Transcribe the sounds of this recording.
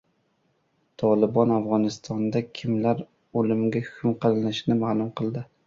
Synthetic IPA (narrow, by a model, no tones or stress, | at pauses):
t̪ʰɒlˠɪbɒnavʁɒnɪst̪ʰɒnd̪akʲʰɪmlaɾ | olɪmɡʲahʊ̥kʲʰʊmqʰɨlɪnɪʃnɪmalˠʊmqʰɨlˠd̪ɪ